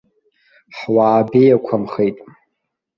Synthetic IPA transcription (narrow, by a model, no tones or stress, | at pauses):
ħwaːbejakʷʰamχejtʼ